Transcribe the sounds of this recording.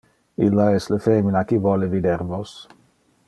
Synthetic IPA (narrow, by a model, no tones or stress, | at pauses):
ilːaɛslefeminakivwɔlevid̪eɾvos